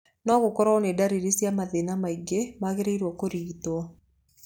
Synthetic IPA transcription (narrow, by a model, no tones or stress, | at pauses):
nɔɡʊkɔɾɔnedaɾiɾesjamaðenamaiɡemaɣeɾeiɾwɔkoɾit̪ɔ